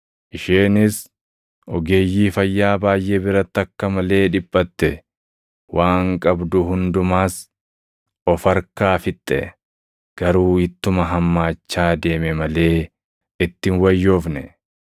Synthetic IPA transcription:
ʔɪʃeːnɪs | ʔɔɡe̞ːjːiːfɐjːaːbaːjʔe̞ːbɪɾɐt̪ːɐkːɐmɐle̞ːᶑɪpʼːɐt̪ːɛ | waːŋkʼɐbd̪ʊɦʊnd̪ʊmaːs | ɔfɐɾkaːfɪt̪ʼːɛ̰ | ɡ̥ɐɾuːɪt̪ːʊmɐɦɐmːaːt͡ʃːaːd̪e̞ːmɛmɐle̞ː | ɪt̪ːɪnwɐjːo̞ːfnɛ

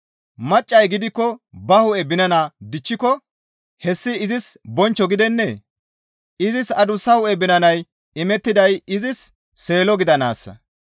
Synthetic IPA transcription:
mɐt͡ʃʼːɐjɡɪd̪ɪkːɔbɐhʊʔɛbɪnɐnad̪ɪt͡ʃːɪkɔ | hɛsːɪːzɪsbɔnt͡ʃːɔɡɪd̪ɛnːɛ | ɪzɪsɐd̪ʊsːɐhʊʔɛbɪnɐnɐj | ɪmɛt̪ːɪd̪ɐjɪzɪsː | e̞ːlɔɡɪd̪ɐnaːsːɐ̰

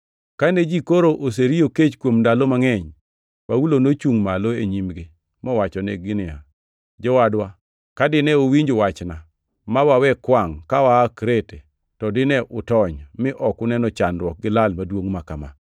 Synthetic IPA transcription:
kaned͡ʒikoɾoʔos̬eɾijoket͡ʃkwomndalomaŋɛɲ | wawulonot͡ʃuŋmaloeɲimɡɪ | mɔwat͡ʃɔnɛɡɪnɪa̰ | d͡ʒɔwadwa | kadɪnɛowiɲd͡ʒowat͡ʃna | mawawɛkwaŋkawaːkɾete | tɔdɪnɛʔʊtɔɲmɪʔɔkʊnɛnɔt͡ʃandwɔk̚ɡɪlalmadwoŋmakama̰

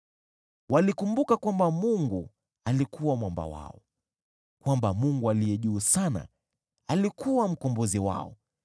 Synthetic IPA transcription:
walikumbukakwambamuŋɡu | alikuwamwamba̰wa̰ɔ | kwambamuŋɡualijɛʄuːsana̰ | alikʰuwam̩kɔmbɔziwa̰ɔ̰

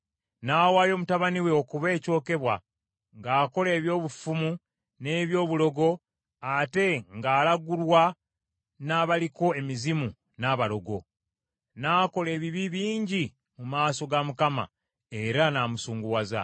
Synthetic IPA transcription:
naːwaːjo̞ːmutaβaniwe̞okuβe̞ːco̞ːke̞βwa̰ | ŋɡaːko̞le̞ːβjo̞ːβufumu | ne̞ːβjo̞ːβulo̞ɡo̞ | ate̞ŋɡaːlaɡulwa | naβaliko̞e̞mizimu | naβalo̞ɡo̞̰ | naːko̞le̞ːβiβiβiːɲɟi | mumaːso̞ɡamukama̰ | e̞ɾanamusuːŋɡuwaza̰

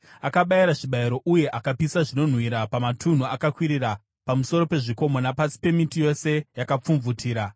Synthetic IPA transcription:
akaɓaiɾaʐiɓaiɾo̞ʔuje̞ʔakapisaʐino̞n̤wiɾapamatʰun̤uakakwiɾira | pamuso̞ɾo̞pe̞ʐiko̞mo̞napasi̥pe̞mitijo̞se̞jakap͡fuɱvutʰiːɾa

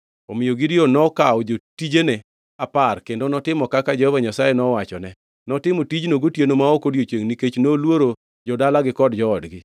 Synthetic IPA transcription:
ɔmɪjoɡiɾionɔkaɔd͡ʒotid͡ʒene | aparkendonɔtɪmɔkakad͡ʒehovaɲasajenɔwat͡ʃɔnɛ | nɔtɪmotid͡ʒnoɡotjenomaokodjot͡ʃeŋniket͡ʃnolwoɾo | d͡ʒɔdalaɡɪkɔdd͡ʒɔːdɡɪ

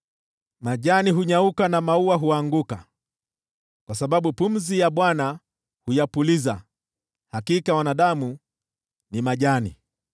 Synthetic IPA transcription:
maʄaniɦuɲaukanamauaɦuaŋɡuka | kwasaɓaɓupum̩zijaɓwana | hujapuliza | hakikawanaɗamu | nimaʄanḭ

